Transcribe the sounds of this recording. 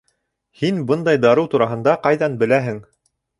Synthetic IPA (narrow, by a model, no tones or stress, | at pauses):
hinbɤnd̪ɑjd̪ɑɾɤwt̪uɾɑɦɤ̆nd̪ɑqɑjðɑnbɘ̆læɦɘŋ